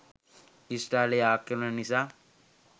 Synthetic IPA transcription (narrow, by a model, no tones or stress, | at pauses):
isʈaleaːkːeɾnanisa